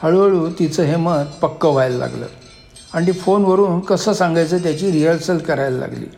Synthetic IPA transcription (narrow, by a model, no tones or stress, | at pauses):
həɭʋəɭuːt̪it͡səːɦemət̪pəkːəʋajləla̰ɡlə̰ː | aɽit̪ifonʋəɾuːnkəsəːsaŋɡajt͡səːt̪̬jat͡ɕiːɾiəɭsəlkəɾajləla̰ɡlḭː